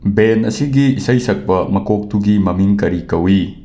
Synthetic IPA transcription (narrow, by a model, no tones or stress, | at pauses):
benɐ̰siɡiːsɐjsɐk̚bɐmɐkʰok̚tʰuɡimɐmiŋkɐɾikɐwi